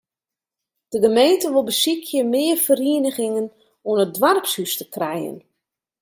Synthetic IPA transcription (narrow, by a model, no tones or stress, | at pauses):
d̥əɡəmejntəʋolˠbəsikʰjəmɪːərfəriənəɣɪŋən | ɔənədʋarpshystə̥krɛjə̰n